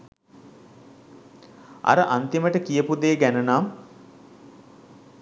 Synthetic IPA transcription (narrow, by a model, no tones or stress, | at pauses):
a̰ɾəʔant̪iməʈəkijəpud̪eːɡænənaːm